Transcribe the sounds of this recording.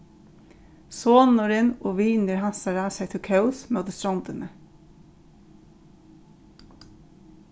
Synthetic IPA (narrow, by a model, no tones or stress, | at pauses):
soːnʊɾɪnɔʋiːnəɾɦansaɾasɛt̪ʰɪkʰœwsmœwt̪əst̪ɾawnt̪ɪnə